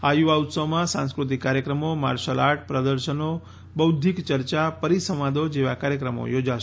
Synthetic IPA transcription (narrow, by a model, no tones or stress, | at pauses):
ajuaut̪səʋmãsãnskɾut̪ikːaɾjəkɾəmoma̰ɾʃəlaʈ̚pɾəd̪əɾʃəno | bəwd̪ʱikt͡ʃəɾt͡ʃapəɾisəmãd̪od͡ʒeʋakaɾjəkɾəmo̰jod͡ʒaʃe